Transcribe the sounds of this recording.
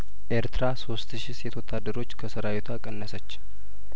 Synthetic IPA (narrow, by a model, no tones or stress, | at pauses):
ʔe̞ɾt̪ɨɾaso̞st̪ʃiset̪ʰwot̪ʰad̪ːəɾo̞t͡ʃːkʰəsəɾawet̪ʰuakʼənːəsət͡ʃː